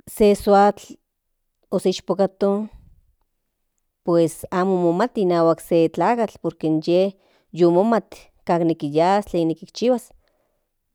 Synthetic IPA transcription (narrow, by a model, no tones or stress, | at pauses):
seswat͡ɬ | oseiʃpokat̪o | pwesaːmomomat̪inaːwakset͡ɬaːkat͡ɬpoɾkenjeh | jomomat̪ | kaːknikijast͡ɬeːnːikikt͡ʃiwas